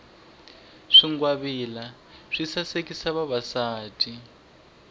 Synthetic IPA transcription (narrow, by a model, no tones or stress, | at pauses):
ʂiŋɡwaβila | ʂisasekisaβaβasaːtʰʼi